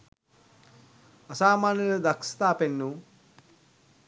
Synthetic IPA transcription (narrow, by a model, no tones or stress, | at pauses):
ɐsaːmaːnjilɐd̪ɐkst̪aːpenːu